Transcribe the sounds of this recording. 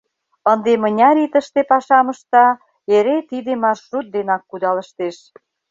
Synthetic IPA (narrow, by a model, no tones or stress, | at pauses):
ənd̪emə̆nʲɑɾit̪əʃt̪epɑʃɑmə̆ʃt̪ɑ | eɾet̪id̪emɑrʃut̪̚d̪enɑkːud̪ɑləʃt̪eʃ